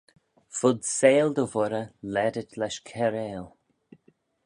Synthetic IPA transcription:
fʊd̪seːld̪əvʊɾəlɛdətlɛʃkʰɛɾeːl

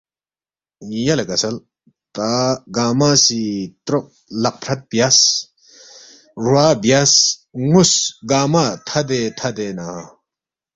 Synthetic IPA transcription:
jɐlekɐsɐl | t̪aɡaːmasit̪ɾoʔ̚ | lɐq̚pʰɾɐt̪̚bijas | ɾuaːbjasŋusɡaːmat̪ʰɐd̪et̪ʰɐd̪ena

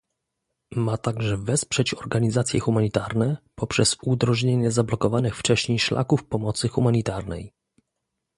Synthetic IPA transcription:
mat̪aɡʐɛvɛspʂɛt͡ɕɔɾɡaɲizat̪sʲjɛxumaɲit̪aɾnɛpɔpʂɛzud̪ɾɔʐɲeɲɛzablɔkɔvanɘxft͡ʂɛɕɲejʂlʔa̰kufpɔmɔt̪sɘxumaɲit̪aɾnɛ̰j

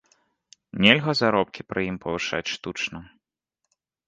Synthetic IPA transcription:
nʲɛlʲɣɐzaɾɔp̚kʲipɾɨjimpʰɐvɨʂa̰t͡sʲʂt̪ut͡ʂnɐ

